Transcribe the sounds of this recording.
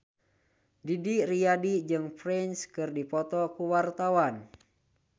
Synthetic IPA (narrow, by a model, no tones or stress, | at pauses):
didirijadid͡ʒɨŋfɾɛnskɨrdipɔt̪ɔkuwart̪awan